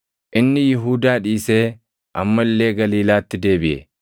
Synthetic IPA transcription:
ʔɪnːɪjɪɦuːd̪aːᶑiːse̞ː | ʔɐmːɐlːe̞ːɡɐliːlaːt̪ːɪd̪e̞ːbɪʔɛ̰

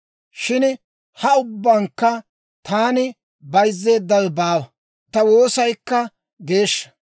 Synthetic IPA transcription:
ʃɪn | hɐʊbːaːŋkːɐ | t̪aːnɪ | bɐjzːe̞ːd̪ːɐwɛbaːwɐ | t̪ɐwo̞ːsɐjkːɐ | ɡe̞ːʃːɐ̥

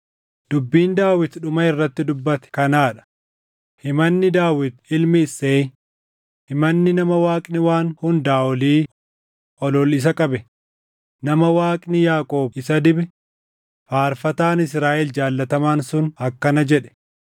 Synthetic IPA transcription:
d̪̥ʊbːiːnd̪aːwɪt̪ᶑʊmɐɪrːɐt̪ːɪd̪ʊbːɐt̪ɛ̥kɐnaːᶑɐ̥ | hɪmɐnːɪd̪aːwɪt̪ɪlmɪːsːeː | hɪmɐnːɪnɐmɐwaːkʼnɪwaːnhʊnd̪aːʔɔliː | ʔɔlɔlɪs̬ɐkʼɐbɛ | nɐmɐwaːkʼnɪjaːkʼo̞ːbɪsɐd̪ɪbɛ | faːɾfɐt̪aːnɪs̬ɾaːʔɛld͡ʒaːlːɐt̪ɐmaːnsʊnɐkːɐnɐd͡ʒɛᶑɛ̥

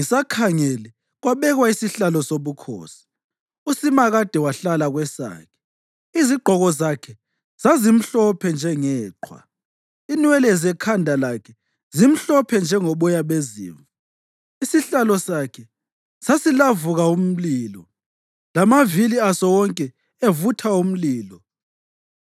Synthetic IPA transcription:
ŋisakʰaŋelɛ | ɣwaβɛɣwaisiɬalɔsoβukʰɔ̰ːsi̥ | usimaɣad̥ʱɛwaɬalaɣwɛsa̰ːkʰɛ̥ | iziɡ͡ǃʱɔɣɔzakʰɛ | z̥azim̩ɬɔpʰɛnd͡ʒʱɛŋɛːǃʰwa̰ | inwɛlɛzɛkʰandʱalakʰɛ | zim̩ɬɔpʰɛnd͡ʒʱɛŋɔɓɔjaβezḭːɱva | isiɬalɔsakʰɛ | sasilavuɣaum̩liːlɔ | lamaviliasɔwɔŋkʼɛ | evutʰaum̩liːlɔ

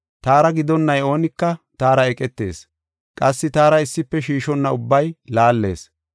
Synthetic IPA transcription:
t̪aːɾɐɡɪd̪ɔnːɐjo̞ːnɪkːɐt̪aːɾɐɛkʼɛt̪ːe̞̰ːs | kʼɐsːɪt̪aːɾɐɪsːɪpːɛʃiːʃɔnːɐʊbːɐjlaːlːe̞̰ːs

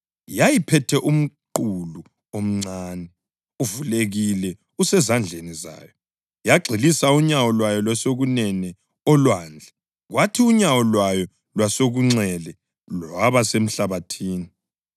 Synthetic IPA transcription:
jajipʰɛtʰɛʔum̩ǃulu | om̩ŋ͡ǀaːnɛ | uvuleɣilɛ | usɛzand͡ɮʱeniza̰ːjɔ | jaɡ͡ǀʱilisauɲawɔlwajɔlwasoɣunɛnɛ | ɔlwaːnd͡ɮʱɛ | ɣwatʰiuɲawɔlwajɔ | lwasoɣuŋ͡ǀɛlɛ | laβasem̩ɬaβatʰiːni

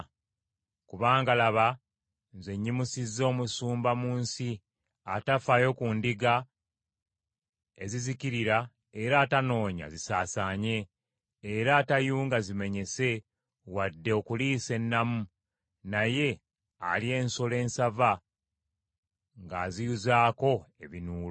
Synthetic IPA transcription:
kuβaːŋɡalaβa | nzeɲːimusizːo̞ːmusuːmbamuːnsi | atafajo̞kundiɡa | eziziciɾiɾa | eɾaːtano̞ːɲa̰zisaːsaːɲe̞ː | ɾaːtajuːŋɡazime̞ɲe̞se̞ | wadːe̞okuliːse̞nːamu | naje̞ | a̰lie̞ːnsole̞ːnsava | ŋɡaːzijuzaːko̞e̞βinuːlo

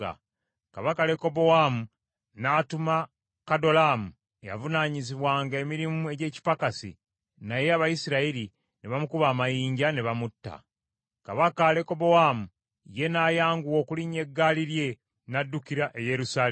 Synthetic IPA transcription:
a̰ | kaβakale̞ko̞bo̞wamu | natuma | kado̞lamu | ḛja̰vunaːɲiziβwaːŋɡe̞miɾimue̞ɟe̞ːci̥pakasḭ | naje̞aβajisiɾaiɾi | neβamukuβaːmajiːɲɟaneβamutːa̰ | kaβakale̞ko̞bo̞wamu | je̞naːjaːŋɡuwo̞ːkuliɲe̞ɡːaːliɾje̞ | nadːukiɾaʔe̞je̞ɾusaːl

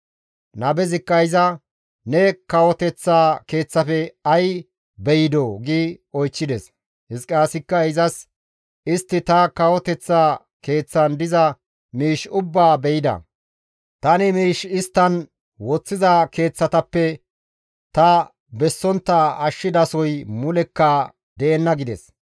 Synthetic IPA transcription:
nɐbɛzɪkːɐɪzɐ | nɛkɐwɔt̪ɛt͡sːaːke̞ːt͡sːɐfɛɐj | bɛjɪd̪oːɡiːɔjt͡ʃːɪd̪ɛs | hɪskʼaːsɪkːɐɪzɐs | ɪst̪ːɪt̪ɐkɐwɔt̪ɛt͡sːaː | ke̞ːt͡sːɐnd̪ɪzɐ | miːʃʊbːaːbɛjɪd̪ɐ̰ | t̪ɐnɪmiːʃɪst̪ːɐn | wɔt͡sːɪzɐke̞ːt͡sːɐt̪ɐpːɛ | t̪ɐ | bɛsːɔnt̪ːaɐʃːɪd̪ɐsɔjmʊlɛkːɐ | d̪ɛːnːɐɡɪd̪ɛ̰s

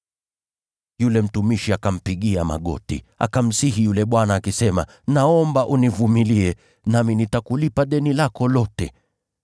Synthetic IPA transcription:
julɛm̩tumiʃiakam̩piɠiama̰ɠɔ̰tḭ | a̰kam̩siɦijulɛɓwanaːkisɛma̰ | naɔmbaʔunivumiliɛ | naminitakulipaɗɛnilakɔlɔtɛ̰

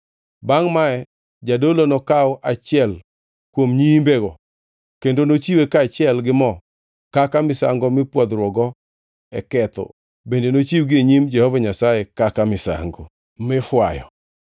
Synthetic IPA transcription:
baŋmaɛ | d͡ʒadolonɔkawɔʔat͡ʃɪɛl | kwomɲimbeɡɔ | kendonot͡ʃiwekaːt͡ʃɪɛlɡɪmɔ | kakamɪsa̰ŋɡɔmɪpwɔd̪ɾwɔɡɔ | ɛkɛt̪ɔ̰ | bendenot͡ʃiwɡɪeɲimd͡ʒɛhɔvaɲasajekakamɪsa̰ŋɡo | mɪfwajɔ̰

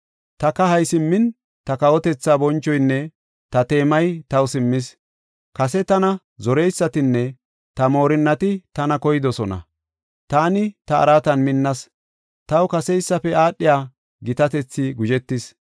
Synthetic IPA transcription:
t̪ɐkɐhɐjsɪmːɪn | t̪ɐkɐwɔt̪ɛt͡sːaːbɔnt͡ʃːɔjnːɛ | t̪ɐt̪e̞ːmɐjt̪ɐwsɪmːɪs | kɐsɛt̪ɐnɐ | zɔɾɛjsːɐt̪ɪnːɛ | t̪ɐmo̞ːɾɪnːɐt̪ɪt̪ɐnɐkɔjɪd̪ɔsɔnɐ̰ | t̪aːnɪt̪ɐɐ̰ɾaːt̪ɐnmɪnːɐs | t̪ɐwkɐsɛɪsːɐfɛaːɗːɪjaː | ɡɪt̪ɐt̪ɛt͡sːɪɡʊd͡ʒɛt̪ːɪs

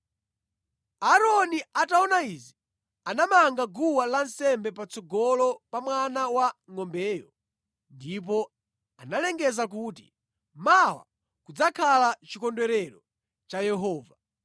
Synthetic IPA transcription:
aɾɔniataɔnaizi | anamaŋɡaɡuwalansɛmbɛp̬at͡sɔɡɔlɔpamwanawaŋɔmbɛːjɔ | ndip̬ɔ | analɛŋɡɛzak̬uːtḭ | mawa̰ | kud͡zakʰalat͡ʃikɔndwɛɾɛɾɔ | t͡ʃajɛɦɔːva

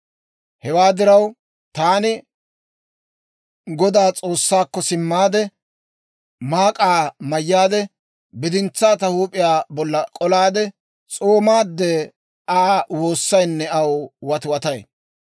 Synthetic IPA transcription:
hɛwaːd̪ɪɾɐw | t̪aːnɪ | ɡɔd̪aːt͡sʼoːsːaːkːɔsɪmːaːd̪ɛ | maːkʼaːmɐjːaːd̪ɛ | bɪd̪ɪnt͡sːaːt̪ɐhuːpʼɪjaːbɔlːɐkʼɔlaːd̪ɛ | t͡sʼoːmaːd̪ːɛ | ʔaːwo̞ːsːɐjnːɛɐwwɐt̪wɐt̪ɐj

